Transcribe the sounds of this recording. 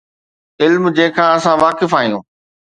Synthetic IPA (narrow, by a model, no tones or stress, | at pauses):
ɪlmd͡ʑẽːɪ̃kʰãːɐsãʋaːkɪfaːɦijũː